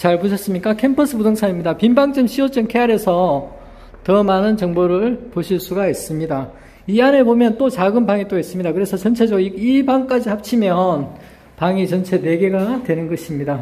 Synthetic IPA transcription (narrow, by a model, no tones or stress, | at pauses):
t͡ɕaɭpuɕʰʌs͈ɯmɲik͈akʰe̞mpʰʌs͈ʰɯpudoŋsʰaɲimɲidapimbaŋt͡ɕ͈ɯmɕʰiot͡ɕ͈ʌŋkʰeaɾe̞sʰʌ | tʌmanɯnt͡ɕʌŋboɾɯɭpoɕʰiɭs͈uɡais͈ɯmɲida | iane̞bomjʌnt͈ot͡ɕaɡɯnbaŋit͈oes͈ɯmɲidakɯɾe̞sʰʌt͡ɕʌnt͡ɕʰe̞d͡ʑʌiibaŋk͈ad͡ʑihap̚t͡ɕʰimjʌn | paŋit͡ɕʌnt͡ɕʰe̞ne̞ɡe̞ɡadwe̞nɯnɡʌɕʰimɲida